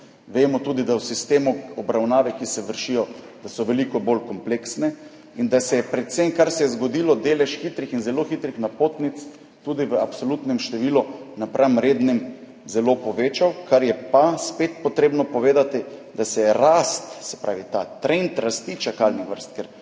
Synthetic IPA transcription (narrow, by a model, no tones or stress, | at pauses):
ʋeːmɔt̪uːd̪id̪awsist̪eːmuɔbɾawnaːʋɛkisɛʋəɾʃijɔ | d̪̥asɔʋɛlikɔbolkɔmpleksnɛ | ind̪asɛjɛpɾɛt̪semkaɾsɛjɛzɡod̪ilɔd̪eːlɛʃxit̪ɾixinzɛloxit̪ɾixnapoːt̪nit̪s | t̪ud̪iʋəapsolut̪nɛmʃt̪ɛʋiːlɔnapɾʔamɾeːd̪nɛm | zɛlopɔʋeːt͡ʃawkʰaɾjɛpaspet̪̚pɔt̪ɾeːbnɔpɔʋeːd̪at̪id̪asɛjɛɾast̪sɛ̥pɾaːʋit̪a̰t̪ɾent̪ɾast̪it͡ʃakalnixʋəɾst̪̚kɛɾ